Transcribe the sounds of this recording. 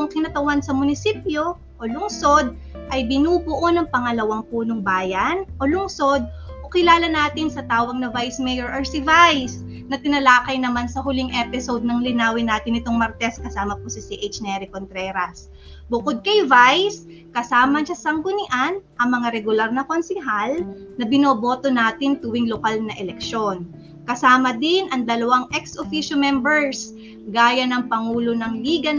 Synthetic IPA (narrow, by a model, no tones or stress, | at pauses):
ʊŋkɪnɐt̪ɐwansɐmʊnɪsiːpjo̞ | ʔolʊŋso̞d̪̚ | ʔɐjbɪnuːbʊʔonɐŋpɐŋɐlɐwaŋpuːnoŋbaːjɐnʔo̞lʊŋso̞d̪̚ | ʔokɪlaːlɐnaːt̪ɪnsɐt̪aːwɐɡ̚nɐvajsmɛjoɹʔɛɹsivajs | nɐt̪ɪnɐlaːkɐjnɐmansɐɦʊlɪŋʔɛpɪso̞d̪̚nɐŋlɪnaːwɪnaːt̪ɪnːɪt̪o̞ŋmɐɾt̪ɛskɐsaːmɐposɐsiʔejt͡ʃnɛɾɪkont̪ɾɛɾɐs | bʊkod̪̚kɐjvajs | kɐsaːmɐʃɐsɐŋɡʊnɪʔanʔɐŋmɐŋaɾɛɡʊlaɾnɐkonsɪɦalnɐbɪnoːbo̞ːt̪o̞naːt̪ɪnt̪ʊwɪŋlokalnɐʔɛlɛk̚ʃo̞n | kɐsaːmɐd̪ɪnʔɐŋd̪ɐlɐwaŋʔɛksʔofiʃomɛmbɛɹs | ɡaːjɐnɐŋpɐŋuːlonɐŋliːɡɐ